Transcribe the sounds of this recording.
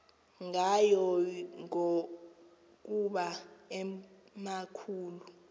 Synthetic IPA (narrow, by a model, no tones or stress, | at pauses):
ŋajɔŋo | k̬ʼuɓaɛ | makʰuːlu